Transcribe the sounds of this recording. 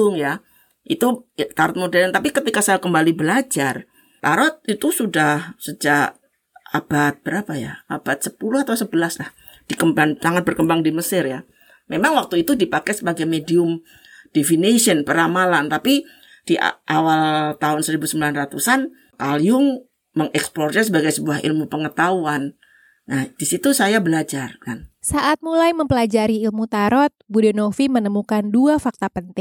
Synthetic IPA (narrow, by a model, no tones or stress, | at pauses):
ʊŋja | ʔḭt̪ut̪aɾɔt̪̚modɛlnt̪apikət̪ikasajakəmbalibəlad͡ʒar | t̪aɾɔt̪̚it̪usudahsəd͡ʒak | ab̥at̪̚bəɾapaja̰ab̥at̪̚səpulʊhat̪awsəbəlaslah | d̥ikəmbaŋsaŋat̪̚bərkəmbaŋdiməsɪrja | memaŋwak̚t̪uit̪udipakɛsəbaɡajmediʊm | d̥efinesiənpəɾamalant̪api | d̥iʔa̰ʔawalt̪aɦʊnsəɾibusəmbilanrat̪usan | kaljʊŋ | məŋɛksplɔrd͡ʒɛsəbaɡajsəbuahḭlmupəŋət̪auan | nad̥isit̪usajabəlad͡ʒarkansaʔat̪̚mulajməmpəlad͡ʒaɾiːlmut̪aɾɔt̪̚budɛnofimənəmukanduafak̚t̪apənt̪ɪŋ